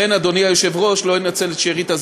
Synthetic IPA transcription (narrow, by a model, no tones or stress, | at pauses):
enad̪o̞niajoʃe̞vʁo̞ʃlo̞inat͡se̞let̪ʃeʁit̪az